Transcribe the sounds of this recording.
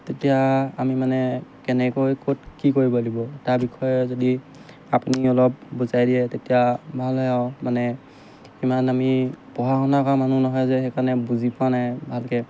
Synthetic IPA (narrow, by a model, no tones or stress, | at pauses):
tetijaamimanɛkɛnɛkojkotkikoɹibɔlibɔtaɹbikʰɔjɛzodi | apuniɔlɔp̚buzajdiɛtetijabʱalɦɔjawmanɛ | imanamipɔɦaxɔnakɔamanunɔɦɔjzɛxɛkanɛbuzipãnabʱalkɛ